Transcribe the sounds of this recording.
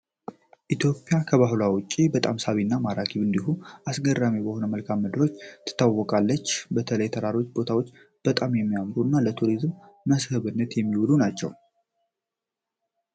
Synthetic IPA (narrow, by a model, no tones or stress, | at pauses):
ʔit̪ʰjo̞pʼːjakʰəβaɦlawʊt͡ʃʼːibət̪ʼamsaβinːamaɾakʰiβɨnd̪ihuʔasɡərːamebəho̞nəməlkʰamːɨd̪ɨɾo̞t͡ʃːt̪ʰɨ̥t̪ʰːawːɔkʼalːət͡ʃːbət̪ʰələjt̪ʰəɾaɾo̞t͡ʃːbo̞t̪ʰawo̞t͡ʃː | b̥ət̪ʼamjɛmːijamɾuɨnːalət̪ʰuɾizmː | əshɨβɨnːət̪jɛmːiwulunat͡ʃːɛ̰w